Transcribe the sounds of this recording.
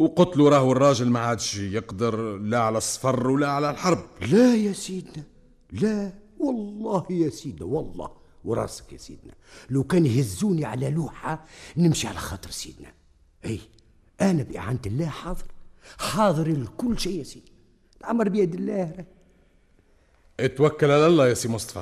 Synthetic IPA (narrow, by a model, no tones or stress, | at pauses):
wqʊt̪luɾˤɑːhwərˤːɑːʒəlmaʕaːd̪ʃjəqd̪əɾlæʕalæsˤːfɑrˤwlæʕalælħɑɾˤblæjæsiːd̪næ | læwɑlːɑːhjæsiːd̪næwɑlˤːɑ̰ːh | wɾˤɑ̰ːsə̥kjæ̰sḭːd̪næ̰læwkæːnjhɪzːuːniʕalæluːħanɪmʃiʕalæxɑːt̪ˤɨɾsḭːd̪næ̰ | ʔiː | ʔænæbʔɪ̰ʕant̪ɪlːæːhħɑːðˤɨɾħɑːðˤɨɾlkʊlːʃiːjæsiːd̪næ | lʕaməɾbjæd̪ɪlːæːɾˤæ | ʔɪt̪wækːalʕalælˤːɑjæsiːmʊst̪ˤɑ̥fɑ̰